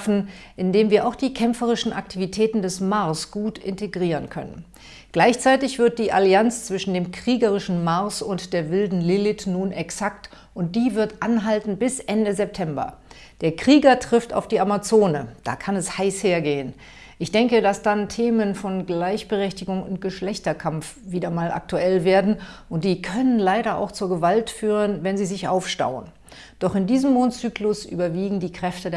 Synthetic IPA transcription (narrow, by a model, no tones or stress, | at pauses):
fn̩ʔɪndeːmviːɐʔaʊxd̥iːkʰɛmfəʁ̞ɪʃn̩ʔak̚tʰivitʰɛːtn̩dɛsmaɐsɡ̥uːtɪ̰nteɡʁiːʁ̞ənkʰœ̰nə̰n | ɡ̥laɪçt͡saɪtɪçv̥ɪɐt̚d̥iːʔaliant͡st͡sv̥ɪʃn̩deːmkʁ̥iːɡəʁ̞ɪʃn̩maɐsʊntd̥eːɐvɪldn̩lɪlɪtnuːnʔɛksak̚t | ʔʊnt̚d̥iːvɪɐtʔanɦaltn̩bɪsʔɛndəzɛp̚tʰɛmbɐ̰ | d̥eːɐkʁ̥iːɡɐtʁ̥ɪfta̰ʊfd̥iːʔamat͡soːnəd̥a̰ːkʰanɛshaɪsheːɐɡeːən | ʔɪçd̥ɛŋkədasd̥antʰeːmənfɔnɡlaɪçb̥əʁɛçtɪɡʊŋʊnt̚ɡ̥əʃlɛçtɐkʰamf | viːdɐmaːlʔa̰k̚tuɛlveːɐdn̩ʔʊntd̥iːkʰœnənlaɪɾɐa̰ʊxt͡suːɐɡəvaltfyːʁ̞ənvɛnziːzɪçʔa̰ʊfʃta̰ʊə̰n | d̥ɔχɪndiːzəm̩ːoːntt͡syːklʊsʔy̰ːbɐviːɡŋ̩diːkʁ̥ɛftəde